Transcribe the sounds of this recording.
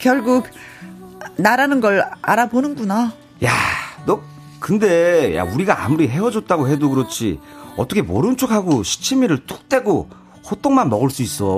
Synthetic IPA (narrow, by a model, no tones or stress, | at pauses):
kjʌɭɡuk̚ | naɾanɯnɡʌɭaɾabonɯnɡuna | janʌ | kɯnde̞ja̰uɾiɡaa̰muɾiɦe̞wʌd͡ʑʌt̚t͈aɡoɦe̞doɡɯɾʌt͡ɕʰḭʌt͈ʌkʰemoɾɯnt͡ɕʰokʰaɡoɕʰi̥t͡ɕʰimiɾɯɭt͈o̥k̚t͈e̞ɡo | hot͈oŋmanmʌɡɯɭs͈uis͈ʌ